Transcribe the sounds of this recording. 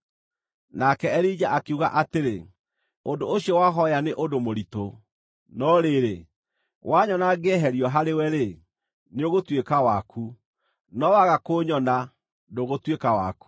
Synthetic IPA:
nakɛɛɾid͡ʒaʔakeuɣa̰ʔateɾe | ondooɕiɔwaɦɔjaneʔodomoɾito | nɔɾeɾe | waɲɔnaɡɛɦɛɾiɔɦaɾewɛɾe | neoɣotwekawakʰu | nɔwaɣakoɲɔna | doɣotwekawa̰ku̥

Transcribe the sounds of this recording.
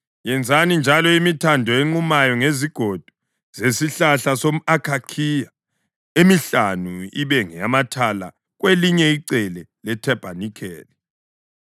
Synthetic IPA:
jɛnd͡zʱanind͡ʒʱalɔimitʰandʱɔeŋ͡ǃumajɔŋeziɡ̥ʱod̥ʱu̥ | z̥esiɬaɬasom̩akʰakʰija | emiɬanuḭβɛŋɛamatʰala̰ | ɣ̬weliɲɛiǀɛlɛlɛtʰɛb̥ʱanikʰɛ̰ːli

